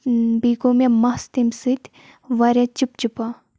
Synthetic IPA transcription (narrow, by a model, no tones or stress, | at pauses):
biːkomemɐst̪imsɨt̪ʲ | ʋɐɾʲɐt͡ʃip̚t͡ʃupa